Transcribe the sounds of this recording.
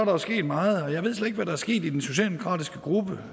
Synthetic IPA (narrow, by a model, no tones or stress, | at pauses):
ɑɾ̥ɑ̈sɡ̥e̝̰ːd̥mɑ̈ːð̞̩ˠɒ̽jɑ̈ɪe̝ð̞̰sleeɡʋæɾ̥ɑ̈æɐsɡ̥e̝̰ːd̥id̥enso̝ɕɛ̰ːd̥emokʰʁɑ̰ːd̥isɡ̥əɡ̥ʁub̥ə